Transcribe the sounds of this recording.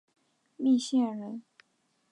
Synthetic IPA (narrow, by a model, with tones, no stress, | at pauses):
li˥˧ɕjɛ˥˩ɻə˧˥n